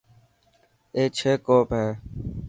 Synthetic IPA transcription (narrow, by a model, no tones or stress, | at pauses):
eːt͡ʃʰeːkoːpɦeː